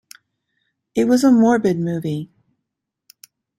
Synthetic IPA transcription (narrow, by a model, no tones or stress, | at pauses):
ɨt̚wʌzəmɔɹbɨd̚mʉvi